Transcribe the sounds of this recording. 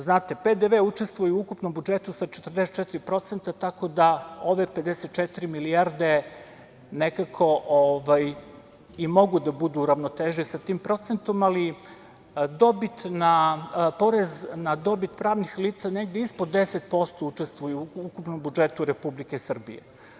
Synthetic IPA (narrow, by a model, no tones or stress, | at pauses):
znaːt̪e̞ped̪eʋeut͡ʃest̪ʋujuuukupnombud͡ʒe̞t̪usat͡ʃet̪ər̩d̪eset̪t͡ʃet̪iɾipɾo̞t̪se̞nt̪at̪ako̞d̪ao̞ʋe̞pe̞d̪eset̪̚t͡ʃet̪iɾimiliaɾd̪e̞ | nekakʰo̞ʔoʋaj | imo̞ɡud̪abud̪uːɾaʋnot̪eʒisat̪iːmpɾo̞t̪sent̪o̞mali | d̪o̞bit̪napo̞ɾeznad̪o̞bit̪pɾaːʋnixliːt̪saneɡd̪eispo̞d̪ːeset̪po̞st̪o̞ut͡ʃe̞st̪vʋujuukupno̞mbud͡ʒe̞t̪uɾepublikesr̩bḭjḛ